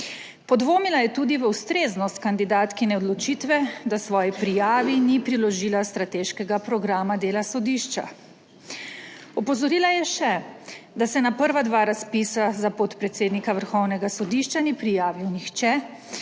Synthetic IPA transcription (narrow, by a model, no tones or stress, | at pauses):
pɔd̪ʋoːmilajɛt̪uːd̪iʋəwst̪ɾeːznɔst̪kand̪id̪aːt̪kinɛɔd̪lɔt͡ʃit̪ʋɛd̪asʋɔːjipɾijaːʋinipɾilɔʒilast̪ɾat̪eːʃkɛɡapɾɔɡɾaːmad̪eːlasɔd̪iʃt͡ʃa̰ | ɔpɔzɔɾiːlajɛʃɛd̪asɛnapəɾʋad̪ʋaːɾaspisazapɔt̪pɾɛt̪seːd̪nikaʋəɾxɔwnɛɡasɔd̪iʃt͡ʃanipɾijaːʋiwnixt͡ʃɛ